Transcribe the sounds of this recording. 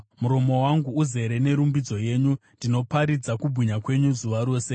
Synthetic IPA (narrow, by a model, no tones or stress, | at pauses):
muɾo̞mo̞waŋɡuːze̞ɾe̞ne̞ɾumbid͡zo̞je̞ːɲundino̞paɾid͡zakubʱuɲakwe̞ɲuzuʋaɾo̞ːse̞